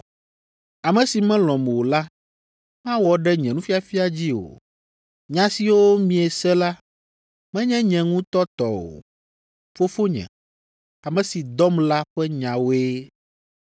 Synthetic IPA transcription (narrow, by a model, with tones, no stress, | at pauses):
a˨mɛ̃˨si˨mɛ̃˦lɔ̃˨m˨wo˨la˦ | mã˦wɔ˨ɖɛ˦ɲɛ̃˨nũ˦fi˦a˨fi˦a˨d͡ʑi˦o̰˨ | ɲã˨˦si˨wo˦mĩ˨ɛ˨sɛ˦la˦ | mɛ̃˦ɲɛ̃˦ɲɛ̃˨ŋũ˦t̪ɔ˦t̪ɔ˦o̰˨ | fo˦fo˦ɲɛ̰̃˨ | a˨mɛ̃˨si˨d̪ɔ˦mla˦ɸɛ˦ɲã˨wo˦e˦